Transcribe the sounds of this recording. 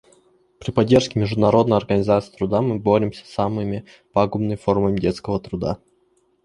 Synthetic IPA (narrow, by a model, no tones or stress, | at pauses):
pɾʲɪpɐdʲːerʂkʲɪmʲɪʐd̪ʊnɐɾo̞d̪nəjɐrɡənʲɪzat̪sɨ̥ːt̪ɾʊd̪amɨboɾʲɪmsʲə̥samɨmʲɪ | paɡʊmnɨjfo̞rməmʲɪdʲet̪skəvət̪ɾʊd̪a̰